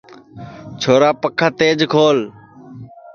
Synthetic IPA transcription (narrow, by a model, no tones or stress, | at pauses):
t͡ʃʰoːɾaːpəkʰːaːt̪eːd͡ʒkʰoːl